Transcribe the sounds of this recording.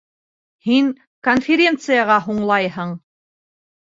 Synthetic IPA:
hiŋ | konfʲɪɾʲe̞nt̪sɨjɑʁɑɦuɴlˠɑjhɤɴ

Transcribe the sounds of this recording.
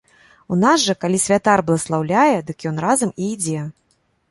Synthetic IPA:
unazʐɐkalʲisʲvʲat̪arblˠɐslˠawlʲajɛd̪ɨkjɔnrazɐmiːd͡zʲɛ

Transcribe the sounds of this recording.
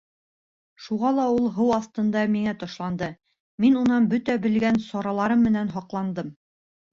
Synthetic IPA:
ʃuʁɑlˠɑulˠɦɤwɑθt̪ɤ̆nd̪ɑmiŋæt̪ɒ̆ʃlˠɑnd̪ɤ | minunɑnbɵt̪æbɘ̆lɡænsɒɾɑlˠɑɾɤmːɘ̆nænɦɒqlˠɑnd̪ɤm

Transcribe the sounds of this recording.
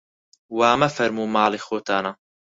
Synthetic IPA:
waːmɐfɐɾmuːmaːlixoːt̪aːna

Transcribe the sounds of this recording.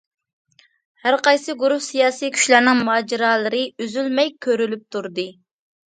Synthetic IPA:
hæɾqɑjsɨɡuɾuhsijɑːsijkʲʰy̥ʃlæɾnɪŋmuɦɑːd͡ʒiɾɑːlˠɨɾɨyzylmɛjkʲʰøɾylyp̚t̪ʰuɾd̪ɨ

